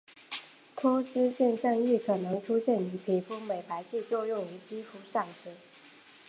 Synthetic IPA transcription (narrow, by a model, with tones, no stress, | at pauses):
t̪ʰo˥ɕy˥ɕjɛ˥˧nɕa˥˧ŋi˥˩kʰɤ˨˩nɤ˧˥ŋʈ͡ʂʰu˥ɕjɛ˥˩ni˧˥pʰi˨˩fu˥˩me˨˩ɪpa˧˥ɪt͡ɕi˥˧t͡ɕjo˥˧ʊjʊ˥˩ŋy˧˥t͡ɕi˥fu˧˥ʂɑ˥˩ŋʂ̩˧˥